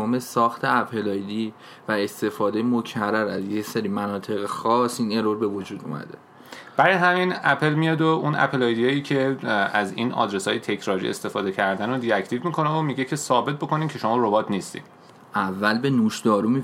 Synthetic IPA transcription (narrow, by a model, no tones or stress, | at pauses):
ɔːme̞sɒːxt̪ʰe̞æpʰe̞lɒːjd̪iː | væe̞st̪e̞fɒːd̪ejemo̞cʰærːæɾæzjecseɾimænɒːt̪ʰe̞ɣexɒːsine̞ɾoɾbe̞vo̞d͡ʒuːd̪ṵmæ̰d̪e̞̰ | b̥æɾɒjɦæminæpʰe̞lmijɒːd̪oʔunʔæ̰pʰelɒjd̪iɒjicʰe̞æziːnɒ̰ːd̪ɾesɒːjet̪ʰe̞cʰɾɒːɾḭʔe̞̰st̪e̞fɒːd̪e̞cʰæɾd̪ænod̪it̪æckʰliːvmikʰo̞neomiɟecʰe̞sɒːbe̞t̪̚bo̞ko̞niːmcʰe̞ʃo̞mɒːɾobɒt̪ʰniːst̪ḭd̪̥ | ʔævːælbe̞nuːʃd̪ɒːɾumi